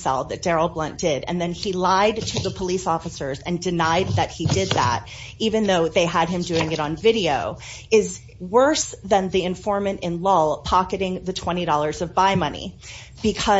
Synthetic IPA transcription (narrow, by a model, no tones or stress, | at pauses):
sɛ̰lˠðɨt̚d̥ɛɹl̩ˠblʌ̃nd̥ɪɾɨ̰̃nðɨ̃nilaɪd̚tʰɨðəpʰəlisɔfəsə˞zɨ̃ndɨnaɪd̪̚ðɨt̚hidɪd̪̚ðæ̰ɾ | ivɨ̃nðoʊðeɪəd̚ɨ̃mdʉɪ̃ŋɨɾn̩vɪɾioʊ | ɪz | wɜ˞sðɨ̃nðiɨ̃ɱfɔɹmɨ̃ntɨ̃nlɔlˠpʰɑkɨɾɪ̃ŋðɨtʰw̥ɛ̃ɾ̃iɾɔlˠə˞zʌvbaɪmʌnḭ | b̥ɨkʰʌ